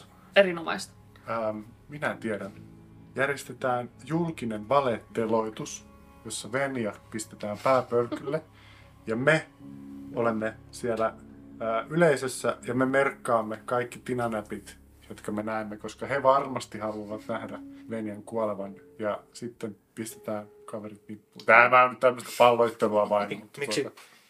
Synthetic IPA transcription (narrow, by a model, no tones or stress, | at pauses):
eɾinomɑ̰ist̪ | əːminæt̪ieɾæn | jærjest̪et̪æːnjulkineʋʋɑlet̪ːeloit̪us | josːɑʋenjɑpist̪et̪æːmpæːpølkylːe | jɑme | olemːesiælæəːyleisesːæjɑmemerkːɑːmːekɑikːit̪inɑnæpit̪ | jot̪kɑmenæemːekoskɑheʋɑrmɑst̪ihɑluɑʋɑt̪næhdæʋenjæŋkuɑleʋɑnjɑsit̪ːempist̪e̥t̪æːn | kɑʋerit̪nipːuːt̪æːmæont̪æmːøst̪æ̥pɑlːoit̪ːeluɑʋɑinmut̪ːot̪ɑ